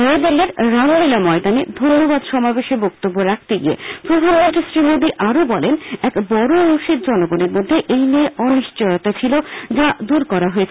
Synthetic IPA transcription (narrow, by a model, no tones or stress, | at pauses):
ed̪elːeɾɾambilamɔed̪aned̪ʱonːobad̪ʃɔmabeʃebɔk̚t̪obːoɾak̚ʰt̪eɡḭḛpɾod̪ʱanmont̪ɾisɾimod̪iʔaɾobɔlenɛkbɔɾouʃeɾd͡ʑɔnoɡoneɾmod̪ʱːeʔejnieɔniʃt͡ɕojot̪at͡ɕʰilod͡ʑad̪uɾkɔɾaɦoet͡ɕʰe